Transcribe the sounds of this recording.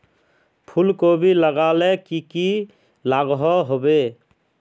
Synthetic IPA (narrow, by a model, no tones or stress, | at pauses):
pʰulkobʱiləɡalekiki | laɡɦɔɦobe